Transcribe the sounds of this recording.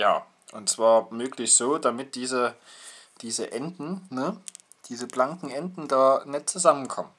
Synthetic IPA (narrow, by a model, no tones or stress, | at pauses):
ja̰ː | ʔʊntt͡sv̥aːɐmøːklɪçz̥oːdamɪt̚d̥iːzə | d̥iːzəʔɛndn̩nə | d̥iːzəblaŋkŋ̩ʔɛndn̩daːɐnɛtt͡suzamənkʰɔmən